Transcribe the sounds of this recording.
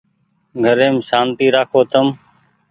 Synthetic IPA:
ɡʱəɾẽːmʃaːnt̪iːɾaːkʰoːt̪əm

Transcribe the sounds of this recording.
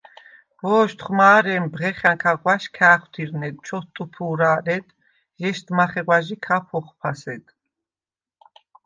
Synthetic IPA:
b̥ɔːʃt̪ʰχmaːɾɛmbʁɛχaŋkʰaɡʼwaʃkʰæːχwt̪ʰiɾnɛd̪̚t͡ʃʰɔst̪ʼupʰuːɾaːɾɛd̪ | ʒɛʃt̪maχɛɡwaʒikʰapʰɔχpʰasɛd̪

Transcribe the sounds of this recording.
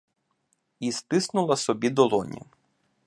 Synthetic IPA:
ist̪ɪsnʊlˠɐsɔbʲid̪ɔlˠɔnʲḭ

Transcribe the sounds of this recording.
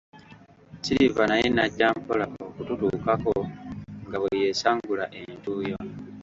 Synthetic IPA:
ciɾivanajenaɟːaːmpolaokututuːkakoŋɡaβweje̞ːsaːŋɡulaʔentuːjo

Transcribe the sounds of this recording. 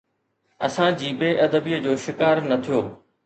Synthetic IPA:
ɐsãd͡ʑiːbeːʔɐd̪əbijəd͡ʑoːʃɪkaːɾnɐt̪ʰijoː

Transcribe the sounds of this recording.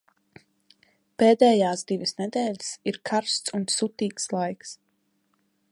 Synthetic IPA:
peːd̪ɛːjaːsd̪ivisnɛd̪ɛːʎʲisiɾkʰaɾst̪sunsut̪iːkslˠajks

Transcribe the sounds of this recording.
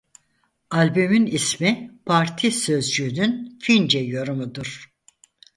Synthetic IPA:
alʲbymynismipʰaɾt̪ʰisø̞zd͡ʒyːnynfind͡ʒɛjoɾumud̪uɾ̥

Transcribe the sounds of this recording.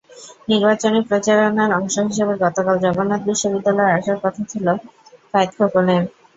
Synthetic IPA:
niɾbat͡ɕonepɾot͡ɕaɾonaɾɔŋʃoɦiʃ̬ebeɾɡɔt̪okald͡ʑɔɡonat̪̚biʃːobid̪ːalɔeaʃaɾkɔt̪ʰat͡ɕʰilofajt̪kʰokonem

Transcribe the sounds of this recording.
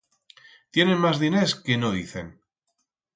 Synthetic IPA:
t̪je̞nẽnmazðineskenoðiθḛn

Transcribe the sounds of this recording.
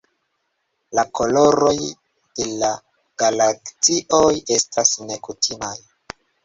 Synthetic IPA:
lakʰo̞lo̞ɾo̞j | d̥e̞la | ɡ̥alakt͡siʔo̞je̞stasne̞kutʰimaj

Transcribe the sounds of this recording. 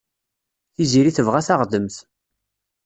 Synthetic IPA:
θiziɾiθəvʁæθaʁd̪əmθ

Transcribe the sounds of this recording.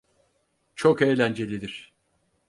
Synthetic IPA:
t͡ʃʰoke̞jlʲænd͡ʒe̞lʲid̪iɾ̝̥

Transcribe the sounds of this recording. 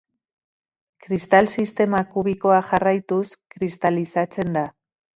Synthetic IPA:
kɾist̪alsist̪e̞makuβ̞iko̞aʝarajt̪uskɾist̪alisat͡se̞nd̪a

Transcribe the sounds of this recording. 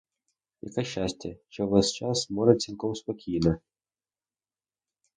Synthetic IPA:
jɐ̰kɛʃt͡ʃːasʲtʲɐt͡ʃɔʋɛst͡ʃɑsmɔɾɐt͡s̪ʲilʲˠkɔwspɔkʲijnɐ

